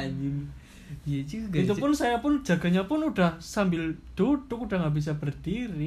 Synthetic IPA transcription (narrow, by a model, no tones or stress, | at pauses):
ɲɪn | it̪upʊnsajapʊn̥d͡ʒ̥ä̤ɡ̥a̤ɲapʊnud̥ahsambɪld̪̥ud̥ʊkuɖ̥aŋɡabis̬ab̥ərd̥iɾi